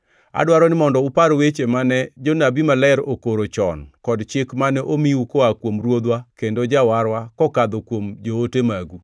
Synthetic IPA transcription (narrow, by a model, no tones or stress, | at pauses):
a̰dwaɾɔnɪmɔndɔupaɾowet͡ʃemanɛd͡ʒonabimalɛɾokoɾot͡ʃɔ̰nkɔdt͡ʃɪkmanɛʔomiukoakwomɾwod̪wakendod͡ʒawaɾwakɔkad̪okwomd͡ʒootemaɡu